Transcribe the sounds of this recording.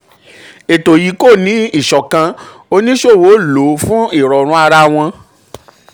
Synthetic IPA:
e˨to˨ji˨˦ko˦˨nĩ˨˦i˦˨ʃɔ˨kã˧ | o˧nĩ˦ʃo˦˨wo˨˦lo˨˦fũ˦i˦˨ɾɔ˨ɾ̃ũ˨˦a˧ɾa˧w̃ɔ̃˧

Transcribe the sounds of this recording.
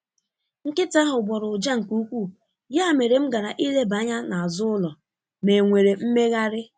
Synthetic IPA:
ŋ̩˦kɪ˦ta˦ɦʊ˨ɡ͡bɔ˨ɾʊ˨d͡ʒa˦ŋ̩˨ku˦kʷu˦˨ | ja˦˨me˨ɾe˨m̩˦ɡa˨ɾa˨ʔi˦le˦ba˨˦ɲa˦na˨a˨zʊ˦ʊ˦lɔ˨ | me˨ŋʷe˨ɾe˨m̩˦me˦ɣa˦ɾɪ˦

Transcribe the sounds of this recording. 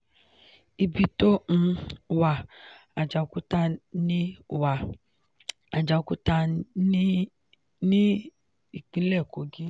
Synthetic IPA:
i˧bi˧to˦ñ̩˧wa˨a˨d͡ʒa˨˧ku˦ta˦˧nĩ˦˨wa˨ | a˨d͡ʒa˨˧ku˦ta˧˦ | nĩ˦ | i˦˨k͡pĩ˨˦lɛ˦˨ko˨ɡi˦

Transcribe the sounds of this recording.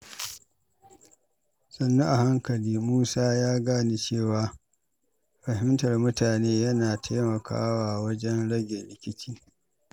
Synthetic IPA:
sʼɐ˨nːu˦ʔa˨ha˦ŋkɐ˨liː˦muː˦saː˦jaː˦ɡaː˦ni˦t͡ʃeː˦˨waː˨˦ | ɸɐ˨hɪ˦ntɐ˨rmʊ˦taː˨neː˦jɐ˦naː˨tʰa˦mɐ˨kʰa̰ː˦waː˨wɐ˦d͡ʒɛ˦nɽɐ˦ɡʲe˨ɾɪ˨kʲɪ˦t͡ʃiː˦

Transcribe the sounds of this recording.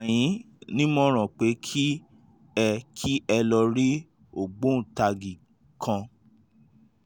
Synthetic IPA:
j̃ĩ˨˦ | nĩ˦mɔ̃˦ɾ̃ã˨k͡pe˨˦kʰi˦ | ɛ˧kʰi˦ʔɛ˧lɔ˧ɾi˦ | o˨ɡ͡bõ˨˦˨ta˧˨ɡi˨ | kʰã˧

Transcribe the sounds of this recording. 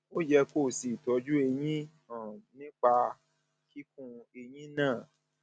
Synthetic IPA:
o˦d͡ʒɛ˧ko˦˨si˨tɔ˨˦d͡ʒu˦e˧jĩ˦˨ | nĩ˦k͡pa˧ | ki˦kũ˧e˧jĩ˦nãː˦˨

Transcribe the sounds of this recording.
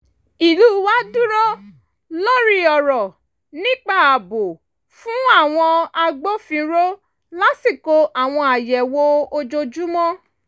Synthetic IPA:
i˨lu˨˦wa˦dũ˦ɾɔ˦ | lo˦ɾi˧˦ɔ˨ɾɔ˨ | nĩ˦k͡pa˦˨a˨bo˨ | fũ˨˦a˦˨w̃ɔ̃˧a˧ɡ͡bo˦fĩ˧ɾo˦ | la˦si˦˨ko˧ʔa˨w̃ɔ̃˧a˨jɛ˨wo˦o˧d͡ʒo˧d͡ʒu˦mɔ̃˦

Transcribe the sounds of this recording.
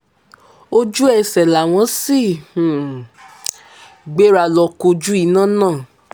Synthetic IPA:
o˦d͡ʒu˦ɛ˦˨sɛ˨la˨w̃ɔ̃˨˧˦sĩ˦˨ | ɡ͡be˦ɾa˨˧˨lɔ˧ko˧d͡ʒu˦i˨˧˦nã˦nãː˦˨

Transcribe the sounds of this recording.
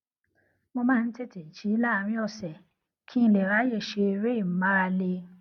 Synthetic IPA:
mõ˧mãː˦˧n̩˦tɛ˦˨tɛ˨i˨ʃi˨˦la˦˧ɾ̃ĩ˦ɔ˦˨sɛ˨ | kʰi˦i˧˨lɛ˨ɾa˨˦je˦˨ʃe˧e˧ɾe˦i˨m̩˨˦ma˦a˧le˧

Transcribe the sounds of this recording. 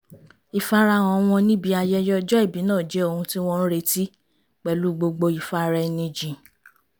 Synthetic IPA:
i˨fa˦ɾa˧ɔ̃˧w̃ɔ̃˧nĩ˦bi˧˦a˧jɛ˧jɔ˦d͡ʒɔ˦i˦˨bi˨˦nãː˦˨d͡ʒɛ˨˦o˧hũ˧ti˦w̃ɔ̃˦n̩˦ɾe˧˦ti˦ | k͡pɛ˨lu˨˦ɡ͡bo˧ɡ͡bo˧i˨fa˦ɾɛ˧nĩ˧d͡ʒĩ˨

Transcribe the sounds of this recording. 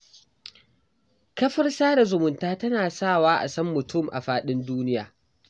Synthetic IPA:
kɐ˦ɸɐ˦rsaː˦da˨zʊ˨mʊ˨ntaː˦tɐ˦naː˨saː˦˨waː˦ʔa̰˨sɐ˦mːʊ˨tʰʊ˦˨mʔa̰˨ɸaː˦ɗɪ˦nduː˦nɪ˦jaː˨

